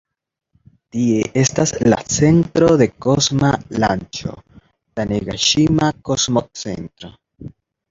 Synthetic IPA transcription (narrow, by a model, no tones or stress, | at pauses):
tie̞ʔe̞stasla̰t͡se̞ntɾo̞de̞ko̞zmalant͡ʃo̞̰ | taneɡaʃimakozmot͡se̞̰ntɾo̞